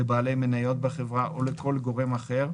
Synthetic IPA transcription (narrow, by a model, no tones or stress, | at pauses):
ebaːle̞jmenajo̞t̪̚baχevʁaʔoleko̞lɡo̞ʁe̞maχeʁ